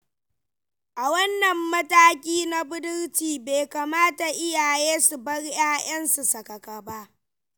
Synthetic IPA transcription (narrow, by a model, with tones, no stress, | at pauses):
ʔa˨wɐ˦nːɐ˨mːɐ˦taː˦kʲiː˦na˦bʊ˦dʊ˦rtiː˨be˨kaː˨maː˦ta˨ʔɪ˦jaː˨jeː˦su˨bɐ˦ɽjaː˦j̰ɐ˦nsu˨sɐ˨kɐ˨ka˨ba˦ʔ